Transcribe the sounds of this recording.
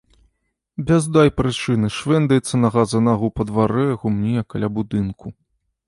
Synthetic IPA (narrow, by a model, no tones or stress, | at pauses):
bʲazd̪ajpɾɨt͡ʂɨnɨʂvɛnd̪ɐjɛt̪sːɐnɐɣazɐnɐɣɐwpɐd̪vaɾɛɐɣumnʲijɐkːalʲabud̪ɨnku